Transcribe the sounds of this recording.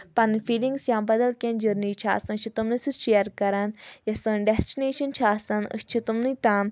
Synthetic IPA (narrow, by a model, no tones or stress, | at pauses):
pɐnfiːlĩŋɡsjãːmbɐd̪ɐlkʲẽnd͡ʒəɾniːt͡ʃʰa̰ːsɐ̃nt͡ʃʰit̪umnisɨt͡ʃeːɾkɐɾɐnjɐsɨ̃nɖesʈineːʃɐnt͡ʃʰaːsɐnɨ̰st͡ʃʰit̪umnit̪aːn